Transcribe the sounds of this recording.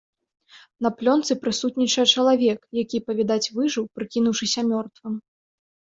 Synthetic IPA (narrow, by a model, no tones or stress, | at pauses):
nɐplʲɔnt̪sɨpɾɨsut̪nʲit͡ʂɐjɐt͡ʂɐlˠavʲɛkjakʲipɐvʲid̪at͡sʲvɨʐɨwpɾɨkʲinuwʂɨsʲɐmʲɔrt̪vɨm